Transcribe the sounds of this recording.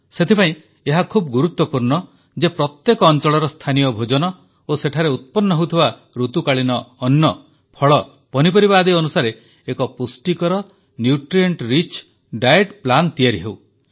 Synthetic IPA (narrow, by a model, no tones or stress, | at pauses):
set̪ʰipaĩ | eɦakʰubɔɡuɾut̪wɔpuɾɳɔ | d͡ʒepɾɔt̪jekɔːnt͡ʃɔɭɔɾɔst̪ʰanijɔbʱod͡ʒɔnɔ | oseʈʰaɾeut̪̚pɔnːɔɦewt̪ʰiba | ɾut̪ukaɭinɔːnjɔ | pʰɔɭɔ | pɔnip̬ɔɾibaːd̪iɔnusaɾe | ekɔpusʈikɔɾɔ | njuʈɾieɳʈɾit͡ʃ | ɖajeʈplant̪ijaɾiɦew